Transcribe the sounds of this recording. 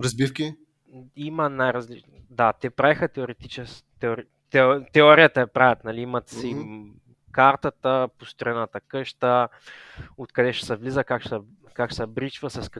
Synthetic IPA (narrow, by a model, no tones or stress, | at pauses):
ɾɐzbifkʲi | imənajɾɐzli | d̪at̪ɛpɾaɛxət̪ɛoɾɛt̪it͡ʃɛs | t̪ɛoɾi | t̪ɛt̪ɛɔɾijət̪əɛpɾavʲət̪nɐliimət̪si | kaɾt̪ət̪əpost̪ɾoɾɛnat̪əkɤʃt̪ə | ot̪kɐd̪ɛʃɛ̥sɛvlizəkakʃɛ | kakʃsɛbɾit͡ʃvəsɐsk